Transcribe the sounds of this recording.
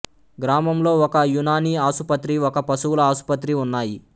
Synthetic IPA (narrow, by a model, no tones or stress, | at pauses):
ɡɾaːmɐmlo̞ːɔkɐjunaːniːaːsupɐt̪ɾiɔkɐpɐsuwulɐaːsu̥pɐt̪ɾiunːaːji